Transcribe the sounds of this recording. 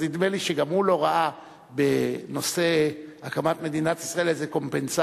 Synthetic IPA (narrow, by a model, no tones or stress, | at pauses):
zid̪me̞liʃeɡamhulo̞ʁaʔa | beno̞se̞akamat̪me̞d̪inat̪isʁae̞lezeko̞mpensa